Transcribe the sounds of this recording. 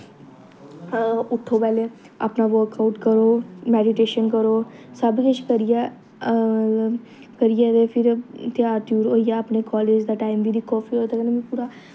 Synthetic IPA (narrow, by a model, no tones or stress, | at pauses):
ʊt̪ʰːõːpɛːleː | a̰pnaːʋəɾkaːʊʈkəɾoːmɛːɖɪʈeːʃənkəɾoːsəbikɪʃkəɾijɛː | əəb | kəɾiɛːt̪eːpʰɪɾt̪ɪjaːɾt̪juːɾoːijaːəpneːkɔːleːd͡ʒd̪aːʈaːimʋiːd̪ikʰɔːfiːoːaːt̪ekɛ̃ːneːmĩːpuːɾaː